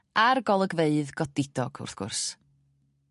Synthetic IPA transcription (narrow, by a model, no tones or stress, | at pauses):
arɡɔlˠəɡveɨðɡɔdɪdɔɡ̥ʊ̰rθɡ̥ʊ̰rs